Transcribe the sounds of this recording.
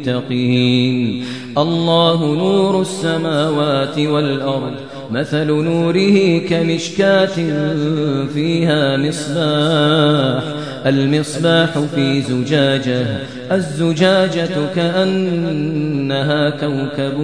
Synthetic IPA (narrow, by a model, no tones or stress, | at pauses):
t̪ːaqiiːn | ʔɑlˤːɑːɦʊnuːɾʊsːamaːwaːt̪ɪwalʔɑɾˤd̪ˤ | maθalnuːɾɪhiːkamɪʃkaːt̪ɪnfiːɦaːmɪsˤbaː | ħ | ʔalmɪsˤbaːħʊfiːzʊd͡ʒaːd͡ʒah | ʔazːʊd͡ʒaːd͡ʒakaʔanː | aɦaːkawkab